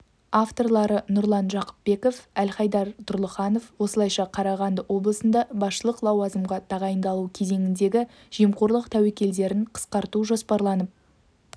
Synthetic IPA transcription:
ɑft̪o̞rlˠɑɾənʊɾlˠɑnʒɑqə̥p̚be̞ko̞fælχɑjd̪ɑɾt̪ʰʊɾlˠəχɑno̞fwo̞səlˠɑjʃɑqʰɑɾɑʁɑnd̪əwo̞blˠəsənd̪ɑbɑsʃəlˠəqlˠɑwɑzəmʁɑt̪ʰɑʁɑjənd̪ɑlˠukʲʰe̞ze̞ŋɪnd̪e̞ɡʲɪ | ʒ̥ijmqo̞ɾlˠəqt̪ʰæwekʲe̞ld̪e̞ɾɪɴqʰə̥sqɑɾt̪uʒo̞spɑɾlˠɑnəp̚

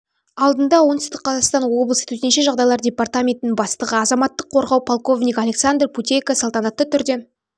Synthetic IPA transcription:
ɑlˠd̪ənd̪ɑwont̪ʏst̪əqʰːɑzɑχst̪ɑnwo̞blˠəsə̥t̪ʰɵt̪enʃe̞ʒɑʁd̪ɑjlˠɑɾdʲe̞part̪amʲe̞nt̪ɪnɪŋbɑst̪əʁəɑzɑmɑt̪ːəqʰːo̞ɾʁɑwpʰolˠko̞vnʲikalʲe̞ksand̪rpʰut̪ʲejkəsəlˠt̪ɑnɑt̪ːət̪ʰʏɾd̪e̞

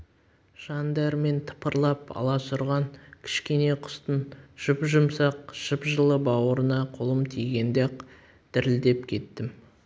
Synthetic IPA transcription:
ʒ̥ɑnd̪ɑɾme̞nt̪ʰə̥pəɾlˠɑpɑ̰lˠɑsʊɾʁɑŋkʲʰɪ̥ʃkʲe̞ne̞qʰʊ̥st̪ənʒ̥ʊpʒʊmsɑq̚ʒ̥ʊpʒəlˠəbɑwəɾənɑqʰolˠəmt̪ʰijɡʲe̞nd̪eq | d̪̥ɪɾɪld̪e̞pkʲʰe̞t̪ːɪm

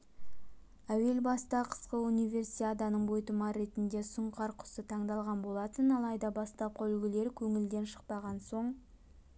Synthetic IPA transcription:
æwe̞lbɑst̪ɑqʰə̥sqəunijve̞rsiad̪ɑnəɴbojt̪əmɑɾe̞t̪ɪnd̪e̞sʊɴqʰɑɾqʰʊ̥sət̪ʰɑɴd̪ɑlˠʁɑnbo̞lˠɑt̪ənɑlˠɑjd̪ɑbɑst̪ɑp̚qʰɑʏlɡʲɪle̞ɾkʲʰɵŋɪld̪e̞nʃə̥qpɑʁɑnso̞ɴ

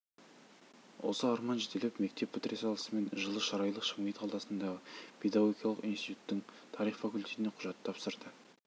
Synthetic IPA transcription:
wʔo̞̰səɑɾmɑnʒet̪ʰelepme̞kt̪e̞pʰːɪt̪ɾesɑlˠə̥səme̞nʒəlˠəʃɑɾɑjlˠəqʃɑmejt̪ʰɑlˠɑsənd̪ɑʁəpʰe̞d̪aɡo̞ɡʲijɑlˠəqijnsit̪ut̪ːɪŋt̪ʰɑɾijχfɑkʊlʲt̪ʰʲe̞t̪ɪneqʰʊʒɑt̪ʰːɑpsəɾd̪ə

